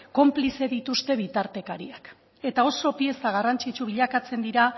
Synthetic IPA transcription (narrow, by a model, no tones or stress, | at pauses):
ko̞mplise̞ðit̪ust̪e̞β̞it̪aɾt̪e̞kaɾiak | e̞t̪ao̞so̞pie̞saɣ̞arant͡ʃit͡ʃuβiʎakat͡se̞nd̪iɾa